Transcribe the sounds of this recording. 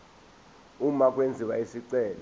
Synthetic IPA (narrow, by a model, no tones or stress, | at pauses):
umak̬ʼwend͡zʱiwaisiǀɛːlɔ